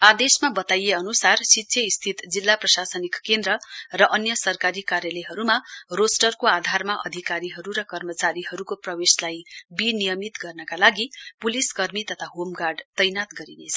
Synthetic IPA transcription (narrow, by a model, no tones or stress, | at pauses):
ad̪esmabʌt̪ajeʌnusarsit̪ːsʰjʌist̪ʰit̪d͡zilːaprʌsasʌnikːend̪ɾʌrʌʔʌnjʌsʌrkaɾikaɾjʌleɦʌɾumarosʈʌrkoad̪ʱarmaʔʌ̰d̪ʱikaɾiɦʌɾuɾʌkʌrmʌt͡saɾiɦʌɾukoprʌweslajbinijʌmit̪ɡʌrnʌkalaɡipuliskʌrmit̪ʌt̪ʰaɦomɡarɖt̪ʌjnat̪ɡʌɾinet͡sʰʌ